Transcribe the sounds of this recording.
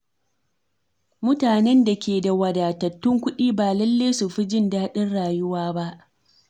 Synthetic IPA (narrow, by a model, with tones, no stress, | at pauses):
mʊ˦taː˨nɛ˦nda˨kʲʰeː˨da˨wɐ˨daː˨tɐ˨tːʊ˦ŋkʷʊ˦ɗiː˦baː˨lɐ˦lːe˦su˨ɸi˦d͡ʒɪ˦ndaː˦ɗɪ˦nɽaː˨jʊ˦waː˦ba˦ʔ